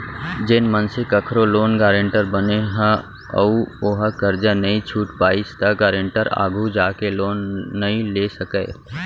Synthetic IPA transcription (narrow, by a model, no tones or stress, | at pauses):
d͡ʒɪnmənsɪkəkʰɾoloːnɡaːɾə̃ɳʈəɾbəneɦə̃ | ə̰uoɦəkəɾd͡ʒanɐĩt͡ʃʰuːʈpaːɪst̪aɡaːɾə̃ɳʈəɾa̰ːɡʱud͡ʒaːkeloːnːɐɦĩleːsɐkəː